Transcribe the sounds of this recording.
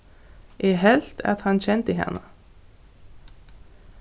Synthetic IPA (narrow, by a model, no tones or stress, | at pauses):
ʔeːhɛlt̪ʰɑ̰t̪hɑnçɛnt̪əɦɛ̰nə